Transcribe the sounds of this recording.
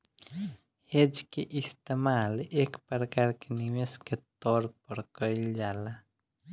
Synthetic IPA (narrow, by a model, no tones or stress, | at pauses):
hed͡ʒkeʔist̪emalekpɾəkaɾkeniwesket̪ɔɾpəɾkəɪld͡ʒala